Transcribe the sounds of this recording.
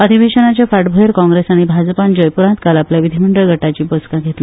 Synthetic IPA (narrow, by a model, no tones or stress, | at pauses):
əd̪ʱibeɕənat͡ɕjafaʈbʱəeɾkɔ̃ŋɡɾesaɽ̃ibʱad͡zpand͡ʑəjpuɾãnt̪kalapljaʋid̪ʱiməɳɖəɭɡʱəʈat͡ɕiːboskãɡʱet̪li